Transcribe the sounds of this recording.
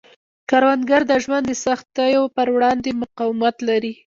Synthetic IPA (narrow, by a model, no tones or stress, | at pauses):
kaɾwand̪ɡaɾd̪əʒwand̪əsaxt̪ajopəɾwɽɑnd̪emʊqɑwɪmat̪laɾi